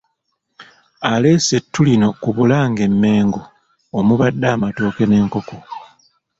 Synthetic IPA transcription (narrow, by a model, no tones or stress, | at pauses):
ale̞ːse̞tːulino̞kuβulaːŋɡe̞mːe̞ːŋɡoː | muβadːaːmatoːke̞ne̞ːŋko̞ko